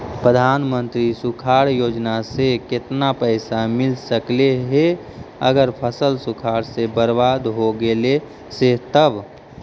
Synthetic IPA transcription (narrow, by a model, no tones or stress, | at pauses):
pɾəd̪ʱaːnmə̃nt̪ɾisukʰaɾjoːd͡ʒnasekɪt̪napəɪsamɪlsəkleɦe | ə̰ɡəɾpʰəsəlsukʰaːɾsebəɾbad̪ɦoɡele | set̪əb